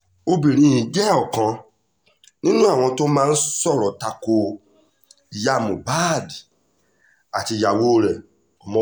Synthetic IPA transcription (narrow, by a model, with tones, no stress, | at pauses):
o˦bi˨ɾ̃ĩ˨˧˨jĩ˨d͡ʒɛ˦ɔ˨kɔ̃˧ | nĩ˦nũ˦a˦˨w̃ɔ̃˧to˦mãː˦n̩˦sɔ˦˨ɾɔ˨ta˧ko˧ | i˨ja˧˨mũ˨ba˦˨di˨ | a˨ti˧ja˨wo˦˨ɾɛ˨ | ɔ˨mɔ̃˦